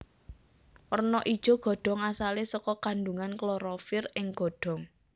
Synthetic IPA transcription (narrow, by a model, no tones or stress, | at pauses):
ʔɔrnɔʔid̥ʒ̥ɔ̤ɡ̥ɔ̤ɖ̥ɔ̤ŋasalesɔkɔkanduŋanklɔɾɔfɪrɪŋɡ̥ɔ̤ɖ̥ɔ̤ŋ